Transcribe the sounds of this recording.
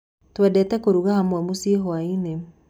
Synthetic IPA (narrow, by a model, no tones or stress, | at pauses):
twadɛtɛkoɾuɣahamwamusiɦoaine